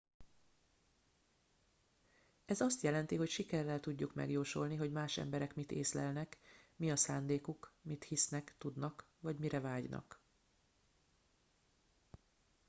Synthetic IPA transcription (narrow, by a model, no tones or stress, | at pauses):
ɛzɒst̪jɛlɛnt̪iɦo̞cʃikɛrːɛlt̪uɟːukmɛ̰ɡjoːʃo̰lniɦo̞ɟmaːʃɛ̰mbɛɾɛkmit̪ḛːslɛ̰lnɛkmiɒsaːnd̪eːkukmit̪hisnɛkt̪ud̪nɒk | ʋɒɟmiɾɛvaːɟnɒ̰k